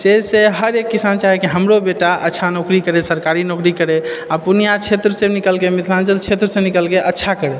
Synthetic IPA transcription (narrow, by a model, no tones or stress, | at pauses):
sesẽɦəɾekːisant͡ʃaɦɛkiɦəmɾobeʈaʔətːʃʰanokɾikəɾesəɾkaɾinokɾikəɾeapunijat͡ʃʰet̪ɾəsenikəlkemit̪ʰland͡ʒəlt͡ʃʰet̪ɾəsẽnikəlkeʔətːʃʰakəɾe